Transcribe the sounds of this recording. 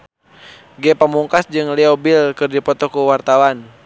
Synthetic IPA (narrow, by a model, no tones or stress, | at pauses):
ɡɛpəmuŋkasd͡ʒɨŋliɔbilkɨrdipɔt̪ɔkuwart̪awan